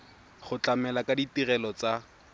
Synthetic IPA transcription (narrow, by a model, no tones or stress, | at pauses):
χʊt͡ɬamɛlakaditirɛlɔt͡sa